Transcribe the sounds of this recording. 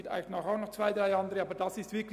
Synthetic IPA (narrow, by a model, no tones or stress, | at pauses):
ta̰ɪnaːχaʊxnɔχt͡sv̥aɪdʁaɪɑndəʁəɑːbəd̥asɪstv̥ɪɐkl